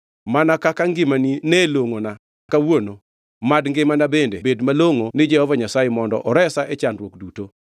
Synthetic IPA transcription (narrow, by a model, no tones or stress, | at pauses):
manakakaŋɡɪmanineloŋona | kawono | madŋɡɪmanabendḛbedmaloŋonɪd͡ʒɛhɔvaɲasajemɔndɔ̰ʔɔɾɛsaʔet͡ʃandwokduto